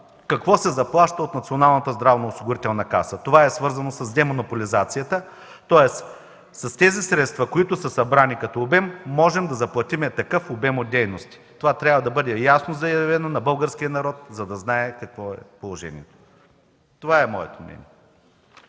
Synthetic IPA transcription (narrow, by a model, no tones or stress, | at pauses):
kɐkvɔsɛzɐplˠaʃt̪əot̪nɐt̪sionalˠnɐt̪əzd̪ɾavnoʊsiɡʊɾit̪ɛlˠnɐka̰sət̪ovaɛsvɤɾzɐnosɐzd̪ɛmonʊpolizat̪sijət̪ə | t̪ɔɛs | sɐst̪ɛzisɾɛt̪st̪vɐkoit̪ʊsəsɐbɾanikɐt̪ɔːbɛmːɔʒɛmd̪ɐzɐplˠɐt̪imɛt̪ɐkɤfobɛmot̪̚d̪ɛjnost̪i̥t̪ovat̪ɾʲabvɐd̪ɐbɤd̪ɛjasnozɐjɐvɛnonɐbɤlˠɡəɾskʲijənɐɾɔt̪̚zɐd̪ɐznaɛkɐkvɔɛpolˠoʒɛ̰nʲḭɛt̪o̥ | t̪ovaɛmɔɛ̰t̪omnʲɛ̰nʲiɛ